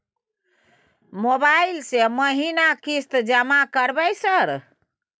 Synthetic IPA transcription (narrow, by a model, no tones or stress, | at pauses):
mobailseməɦinakist̪d͡ʒəmakəɾbɛsəɾ